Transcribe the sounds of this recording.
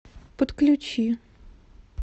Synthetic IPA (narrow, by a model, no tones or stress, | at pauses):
pɔt̪klʲut͡ɕi